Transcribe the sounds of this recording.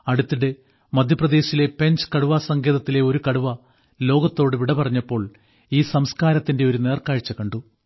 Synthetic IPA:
ɐɽut̪ːiɽe̞ | mɐd̪ʱjɐprɐd̪e̞ːɕile̞pe̞ɲd͡ʑɨ̥kɐɽuʋaːsɐŋɡeːðɐt̪ːileo̞ɾukɐɽuʋɐ | lo̞ːɡɐt̪ːo̞ːɽɨʋiɽɐpɐrɐɲːɐpːo̞ːɭ | iːsɐmskaːɾɐt̪ːinde̞o̞ɾune̞ːrkaːɻt͡ɕːɐkɐɳɖu

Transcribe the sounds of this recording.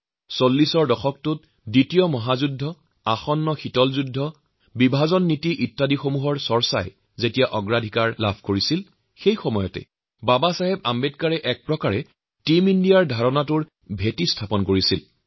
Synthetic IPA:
solːisɔɹdɔxɔk̚tʊt̚ | ditijɔmɔɦazudʱːɔ | axɔnːɔxitɔlzudʱːɔ | bibʱazɔnːitiʔitːadixomuɦɔɹsɔɹsa̰j | zetijaʔɔɡɹadʱikaɹla̰bʱkoɹisil | xejxɔmɔjɔtɛ̰ | babasaɦɛb̚ambet̚kaɹɛʔɛk̚pɹɔkaɹɛ | timindijaɹdʱaɹɔnatʊɹ | bʱetistʰapɔnkoɹisil

